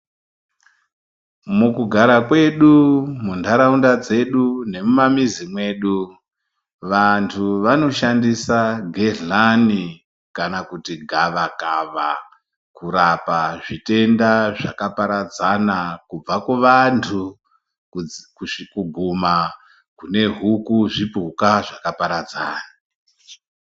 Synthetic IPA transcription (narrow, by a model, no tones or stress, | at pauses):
mukuɡʱaɾakwe̞ɗumundʱaɾaundad͡ze̞ɗune̞mumamizimwe̞ːɗu | ʋantʰuʋano̞ʃandisaɡʱeani | kanakutiɡʱaʋakaʋa | kuɾapaʐite̞ndaʐa̰kapaɾad͡zanakub͡vakuʋantʰu | kuɡʱuma | kune̞ɦukuʐipukaʐakapaɾad͡zaːna